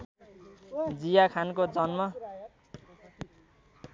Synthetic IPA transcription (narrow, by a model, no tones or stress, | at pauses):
d͡zijakʰankod͡zʌnmʌ